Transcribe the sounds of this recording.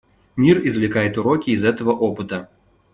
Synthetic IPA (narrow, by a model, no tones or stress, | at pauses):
mʲirizvlʲɪkajɛt̪ʊɾɔkʲiːzɛt̪ɐvɐʔɔpɨt̪ɐ